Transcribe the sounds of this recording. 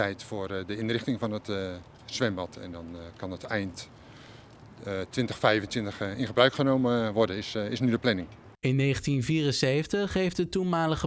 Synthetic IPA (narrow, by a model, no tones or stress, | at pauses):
ɛjtfʊːrdəɪnrɪχtɪŋvɑnət | sʋɛmbɔtʰɛ̰ndɔnkɑnətɛjnt | tʋɪntəxfɛjvəntʋɪntəxɪnχəbrœɥkχənowməʋɔɹdənɪsɪsnydəplɛnɪŋ | ɪnːeːχəntinviːrənsejfəntəχejftdətunmaːləχə